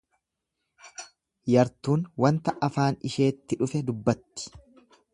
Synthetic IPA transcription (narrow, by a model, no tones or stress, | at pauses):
jɐɾt̪uːnwɐnt̪ɐʔɐfaːnɪʃe̞ːt̪ːɪᶑʊfɛd̪ʊbːɐt̪ːɪ̥